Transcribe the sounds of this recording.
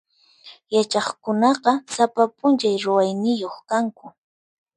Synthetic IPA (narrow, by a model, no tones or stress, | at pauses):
jat͡ʃɑχkʊnɑqɑsapapʊnt͡ʃajɾʊwajnɪjoχkaŋkʊ